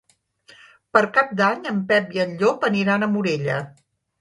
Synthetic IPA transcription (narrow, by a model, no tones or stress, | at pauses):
pəɾkap̚d̪aɲəmpɛpjəʎʎːopəniɾanəmuɾeʎə̰